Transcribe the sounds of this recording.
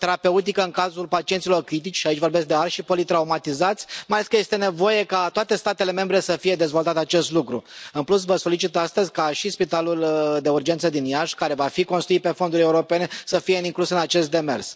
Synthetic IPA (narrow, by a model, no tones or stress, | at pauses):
t̪e̞ɾape̞ut̪̬ikəɨŋkazulpat͡ʃie̞ntsilo̞rkɾit̪̬it͡ʃʲʃait͡ʃʲvo̞rbesk̚d̪ealʃipo̞lit̪ɾaumat̪izat̪sʲmajaleskəje̞st̪e̞ne̞vo̞je̞kat̪oat̪e̞st̪at̪e̞le̞me̞mbɾe̞səfije̞d̪ezvo̞lt̪at̪eat͡ʃe̞st̪lukɾṵɨnplus̬vəso̞lit͡ʃit̪ast̪əzʲkaʃispit̪aluld̪e̞urd͡ʒe̞nt̪səd̪injaʃkaɾe̞vafiko̞nst̪ɾuit̪̚pe̞fo̞nd̪uɾʲe̞uɾo̞pene̞səfijeiŋklusɨnat͡ʃe̞s̬t̪̚d̪e̞me̞̰rs